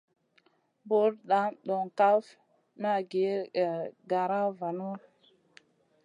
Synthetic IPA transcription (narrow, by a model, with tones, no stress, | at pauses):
bo˦ɾɗa˨˦mɗo˨ŋka˦f | ma˦˨ɡe˨˦˨ | ɡa˨ɾa˦va˨nu˦